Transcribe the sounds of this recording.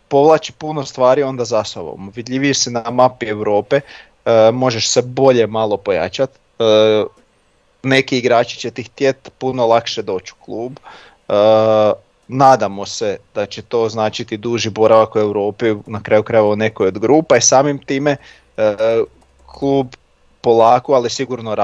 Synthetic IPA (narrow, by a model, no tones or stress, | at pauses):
po̞ʋlˠat͡ʃi̥puno̞st̪ʋaːɾio̞nd̪azasoʋo̰mʋid̪ʎʲiʋijesenamapie̞wɾo̞ːpe | mo̞ʒe̞ʃse̞bo̞ʎe̞malˠo̞po̞ja̰t͡ʃat̪ː | ne̞kiːɡɾaːt͡ʃi̥t͡ɕet̪ixt̪jet̪puno̞lˠakʃe̞d̪o̞ːt͡ʃu̥klˠuːb | ə | naːd̪amo̞se̞d̪̥at͡ɕet̪o̞ːznaːt͡ʃit̪id̪uːʒibo̞ɾaʋakue̞wɾo̞ːpinakɾaːjukɾajeʋaone̞kojod̪ɡɾuːpaisaːmimt̪iːme̞ | kʰluːb | po̞lˠaːkoalisiɡuɾno̞ɾa